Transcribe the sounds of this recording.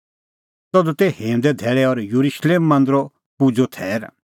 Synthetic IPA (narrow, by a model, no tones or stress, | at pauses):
t̪ɔd̪ũt̪ɛhẽːũd̪ɛd̪ʱɛːɭɛɔɾjuɾuʃleːmːɐ̃nd̪ɾɔ | pud͡zʱot̪ʰɛːɾ